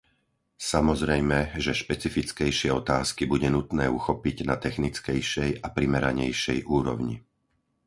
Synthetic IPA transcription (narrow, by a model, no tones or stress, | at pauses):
samɔzɾɛjmɛʒɛʃpɛt͡sifit͡skɛjʃɪɛɔt̪aːskibuɟɛnut̪nɛːuxɔpiɟnat̪ɛxnit͡skɛjʃɛjapɾimɛɾaɲɛjʃɛjʔuːɾɔ̰ʊɲḭ